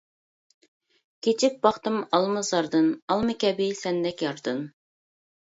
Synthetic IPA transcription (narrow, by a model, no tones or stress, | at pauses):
kʲʰet͡ʃʰip̚bɑχt̪ɨmɑlˠmɨzɑɾd̪ɨnɑlˠmɨkʲʰɛbɪsɛnd̪ɛkʲjɑɾd̪ɨn